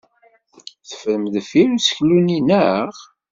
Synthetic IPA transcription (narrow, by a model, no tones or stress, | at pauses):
θə̥fəɾəmðfiɾsə̥çluninæʁ